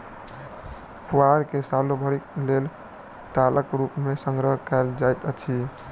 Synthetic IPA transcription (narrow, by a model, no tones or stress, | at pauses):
puaɾkesalobʱəɽik̚lel | t̪aləkɾupmesəŋɡɾəɦkald͡ʒajt̪ət͡ʃʰi